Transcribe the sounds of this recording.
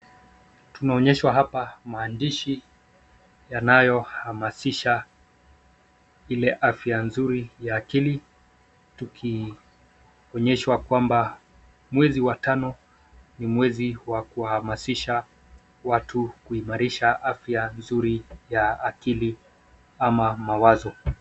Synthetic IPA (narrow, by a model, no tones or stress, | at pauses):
tunaɔɲɛʃwaɦapamaːndiʃi | janajɔhamasiʃa | ilɛʔafjanzuɾijaːkili | tukʰi | ɔɲɛʃwakwamba | mwɛziwatanɔ | nimwɛziwakuwahamasiʃa | watʰukuimaɾiʃaʔafjanzuɾijaːkili | amamawazɔ